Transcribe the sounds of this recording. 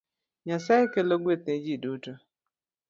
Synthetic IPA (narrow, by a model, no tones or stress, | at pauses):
ɲasaɪkeloɡʷeted͡ʒiduto